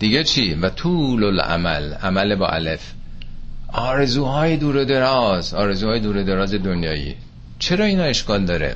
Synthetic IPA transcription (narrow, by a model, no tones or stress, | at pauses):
d̪̥iɟet͡ʃʰiːvæt̪ʰuːlolæ̰mæ̰læmælebɒ̰ːʔæ̰lef | ʔɒːɾezuːɦɒːjed̪uːɾed̪e̞ɾɒːzɒːɾe̞zuːɒːjed̪uːɾed̪eɾɒːze̞d̪onjɒːjḭː | t͡ʃʰe̞ɾɒːiːnɒːe̞ʃkɒːld̪ɒːɾḛ